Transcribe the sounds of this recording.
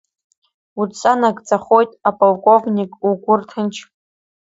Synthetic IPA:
ut͡sʼanaɡt͡sʼaχo̞jtʼapʼolkʷʼo̞vnʲikʼuɡʷʊrtʰɨnt͡ʃʰ

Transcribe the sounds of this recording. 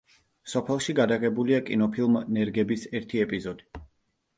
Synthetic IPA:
sɔpʰɛlˠʃiɡad̪aʁɛbuliakʼḭnɔpʰilˠmnɛɾɡɛbisɛɾt̪ʰiɛpʼizɔd̪i

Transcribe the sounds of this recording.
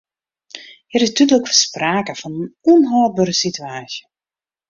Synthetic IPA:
hɛɾɪstydləkfəspraːkəfɔnənuənɦɔːl̚bøɾəsityaːsjə

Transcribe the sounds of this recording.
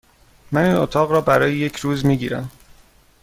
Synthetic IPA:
mæniːnot̪ʰɒːɣɾɒːbæɾɒːjeje̞cʰɾuːzmiːɟiːɾæ̰m

